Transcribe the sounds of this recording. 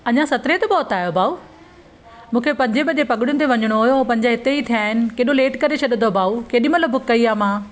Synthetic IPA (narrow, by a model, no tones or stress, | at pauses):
ɐɲãsɐt̪ɾẽt̪ɐbɔːt̪aːjobʱaːu | mũːkʰepɐ̃ɲd͡ʑʱebɐd͡ʑepɐɠɪɽ̃jʊnɪ̆t̪̬eʋɐɲəɽ̃oɦʊjopɐ̃ɲd͡ʑaɦɪt̪eit̪ʰijaːɦɪnɪ̆keːɗoleːʈkɐɾet͡ɕʰɐɗɪnd̪obʱaːukeːɗɪmɐt̪lɐbʱʊkːɐiaːmãː